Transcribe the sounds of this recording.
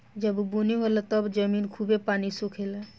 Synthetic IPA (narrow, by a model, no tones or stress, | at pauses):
d͡ʒəbbuniɦolat̪ɔbd͡ʒəmiːnkʰuːbepaːnisukʰele